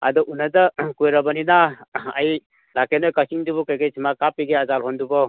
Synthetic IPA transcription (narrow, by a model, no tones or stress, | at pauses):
a̰dɔʔunadakujɾabaninaaj | lakenɔjkasiŋdubɔkeɡet͡ʃʰmakapiɡeazalɦɔndubɔ